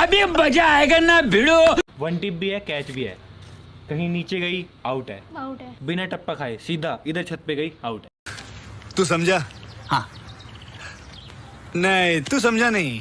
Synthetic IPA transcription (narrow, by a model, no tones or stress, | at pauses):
ɐbebɐd͡ʒaeɡanabʱɪɽoʋɐnʈipbiɦɛkɛːt͡ʃbʱiɦɛ̰ːkɐɦĩniːt͡ʃeɡɐiaːʊʈɦɛ̰ːbɪnaʈɐpːakʰaːesiːd̪ʱaʔɪd̪əɾt͡ʃʰɐt̪̚peɡɐiaːʊʈɛː | t̪us̬ɐmd͡ʒʱaːhãː | nɐĩt̪us̬ɐmd͡ʒʱanɐɦĩ